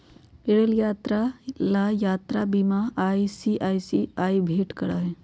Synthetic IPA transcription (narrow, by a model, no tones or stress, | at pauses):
eɽəljaːt̪ɾalaːjaːt̪ɾabimaaːisiʔaːisiaːibʱeːʈkɐɽaɦɛː